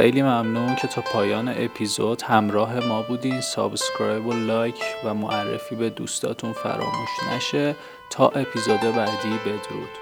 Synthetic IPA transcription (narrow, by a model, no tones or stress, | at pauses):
xejliːmæmnuːncʰe̞t̪ʰɒːpʰɒːjɒːne̞̰ʔepʰizod̪̥hæmɾɒːɦe̞mɒːbuːd̪iːnsɒ̰bscɾɒːjbolɒːjcʰvæmoʔærːḛfiːbe̞d̪ṵːst̪ʰɒ̰ːt̪ʰunfæ̰ɾɒ̰ːmṵːʃnæ̰ʃe̞ | t̪ʰɒːʔe̞pʰizod̪ebæd̪iːbe̞d̪ɾṵd̪̥